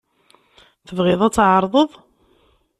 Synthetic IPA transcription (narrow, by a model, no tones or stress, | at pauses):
θəvʁɪðˤæt͡sːʕɑɾˤðˤəðˤ